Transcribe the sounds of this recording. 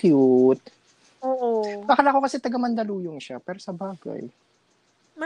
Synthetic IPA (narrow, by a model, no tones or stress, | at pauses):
kjut̪̚ | oːʔokakɐlako̞kɐsɛt̪ɐɡɐmɐnd̪ɐluːjoŋʃapɛːɾosɐbaːɡa̰j